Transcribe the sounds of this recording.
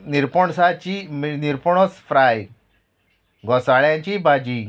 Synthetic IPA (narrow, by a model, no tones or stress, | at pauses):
niɾpəɳsat͡ɕimniɾpɔɳɔsfɾaj | ɡɔsaɭjãɲt͡ɕibad͡ʑi